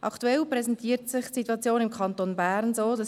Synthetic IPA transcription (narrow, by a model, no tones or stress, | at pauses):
ʔɑ̰kʰtuɛlprɛsɛntʰiːəɾtsɪχtsituɑt͡sjoːnɪmkʰɑntonbæːɾnzoːd̥ɑs